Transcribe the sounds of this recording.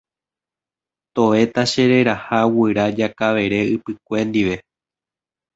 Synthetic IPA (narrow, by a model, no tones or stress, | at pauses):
t̪o̞e̞t̪aʃe̞ɾe̞ɾahawɨɾad͡ʒakaʋe̞ɾe̞ɨpɨk̚ʷe̞nd̪iʋe̞